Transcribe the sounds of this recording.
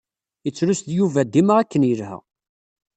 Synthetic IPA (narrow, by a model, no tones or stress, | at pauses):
ət͡sːɾusd̪juvæd̪iməʁækːənjəlhæ̰